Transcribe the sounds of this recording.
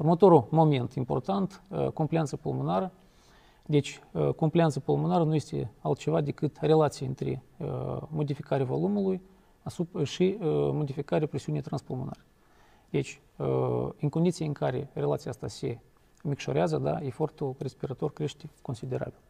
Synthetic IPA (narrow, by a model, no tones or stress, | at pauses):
urmət̪o̞ɾulmo̞me̞nt̪impo̞rt̪ant̪ko̞mpliant̪səpolmonaɾə | d̪e̞t͡ʃʲko̞mplʲiant̪səpolˠmonaɾənuje̞st̪ḛa̰lt̪̚t͡ʃe̞vad̪e̞kɨt̪re̞lat̪sijaɨnt̪ɾḛ | mo̞d̪ifikaɾʲeavo̞̰lumuluj | asupʃimo̞d̪ifikaɾeapɾesiunijt̪ɾanspolmona̰re | d̪e̞t͡ʃʲ | ɨŋkond̪it̪sijeɨŋkaɾe̞̰rela̰t̪sijast̪ase̞ | mʲikʃo̞ɾeazəd̪a̰e̞fo̞rt̪ure̞spiɾat̪o̞rkɾe̞ʃt̪ʲeko̞nsid̪e̞ɾa̰bil